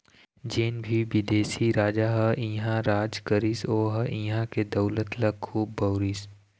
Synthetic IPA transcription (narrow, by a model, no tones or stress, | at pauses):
d͡ʒeːnbʱiʋɪd̪eːsiɾaːd͡ʒaːɦɐʔĩːɦãɾaːd͡ʒkɐɾisoːɦɐʔĩɦãked̪ɐʊlət̪lɐɡkʰːuːbːɐʊɾis